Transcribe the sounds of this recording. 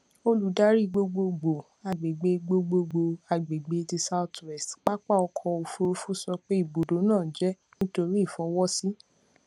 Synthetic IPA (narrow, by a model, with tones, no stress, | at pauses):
o˧lu˨˦da˦ɾi˦˨ɡ͡bo˧ɡ͡bo˧ɡ͡bo˨ | a˨ɡ͡be˨ɡ͡be˨˧ɡ͡bo˧ɡ͡bo˧ɡ͡bo˧a˨ɡ͡be˨ɡ͡be˨˧˦ti˧sa˦u˦twɛ˦˨stk͡pa˦k͡pa˦˨ɔ˧kʰɔ˧o˧fo˧ɾo˦fu˦sɔ˧k͡pe˦i˦˨bo˨do˨˦nãː˦˨d͡ʒɛ˦ | nĩ˦to˧ɾi˦˨fɔ̃˨˦wɔ˦si˦